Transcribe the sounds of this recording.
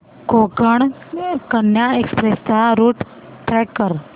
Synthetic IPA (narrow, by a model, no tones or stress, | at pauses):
kokəɳ | kənjaekspɾest̪aɾuːʈ | ʈɾɛkːəɾ